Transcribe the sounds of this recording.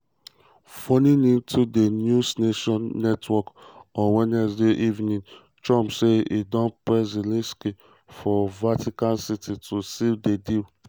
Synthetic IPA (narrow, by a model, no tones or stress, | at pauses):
fɔnĩnĩntʰudenjusneʃɔ̃nːɛtwɔkɔ̃wɛnɛs̬deʔivnĩn | t͡ʃɔ̃mpseidɔ̃npɹɛzilĩski | fɔvatikãnsitʰitʰusivdedil